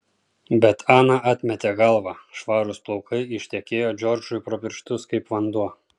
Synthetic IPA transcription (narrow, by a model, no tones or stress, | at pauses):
bʲɛt̪ʰɑːnɑʔɑːt̪ʲmʲɛt̪ʲeːɡɐlˠʋɑːʃʋɑːɾʊsplˠɒʊkɐɪɪʃʲt̪ʲɛkʲeːjoːd͡ʒʲɔɾd͡ʒʊɪpɾɔpʲɪɾʃt̪ʊskɐɪpʋɐnd̪uɔ